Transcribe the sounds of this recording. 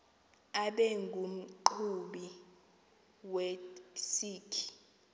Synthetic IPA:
aɓɛŋɡʱum̩ǃʰuɓi | wɛsiːkʰi̥

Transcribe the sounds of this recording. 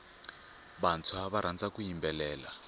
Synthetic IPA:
βant͡sʰwaβaɾ̤and͡zakujimbɛlɛːla

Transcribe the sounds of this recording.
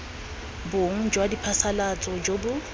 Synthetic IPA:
boŋ̩d͡ʒwadipʰasalat͡sʼɔd͡ʒobʊ

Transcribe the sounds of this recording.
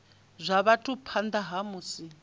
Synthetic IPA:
zʷaβatʰʼupʰand̪aɦamusi

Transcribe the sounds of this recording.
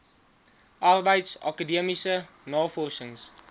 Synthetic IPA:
ʔɑrbəjtsɑ̰kədiəmisə | nɑːfɔrʃəŋs

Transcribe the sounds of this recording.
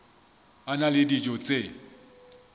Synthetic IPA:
analɪdid͡ʒʼɔt͡sʼe

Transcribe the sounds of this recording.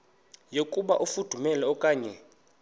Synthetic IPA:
jokʼuɓaʔufud̥ʱumɛlɛɔkʼaːɲɛ

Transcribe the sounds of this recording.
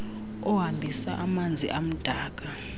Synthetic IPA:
ɔɦambʱisa̰ʔamand͡zʱiʔam̩d̥ʱaːk̬ʼa

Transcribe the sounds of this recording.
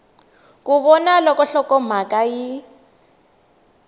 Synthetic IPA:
kʼuβɔnalɔkɔɬɔkɔm̤akʼaji

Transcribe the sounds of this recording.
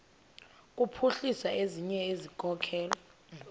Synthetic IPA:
k̬ʼupʰuɬisaeziɲɛezikʼɔkʰɛːla

